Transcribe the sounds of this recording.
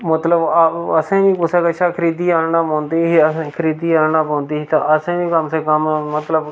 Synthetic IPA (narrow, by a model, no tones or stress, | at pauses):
mət̪ləbəsẽːʋĩːkʊsaːkəʃʰaːkʰəɾiːd̪iːaːɽnaːpõːnd̪iːɦiːəsẽːkʰəɾiːd̪iːaːɽnaːpõːnd̪iːiːt̪ãʔəsẽːʋĩːkəmsẽːkəmmət̪ləb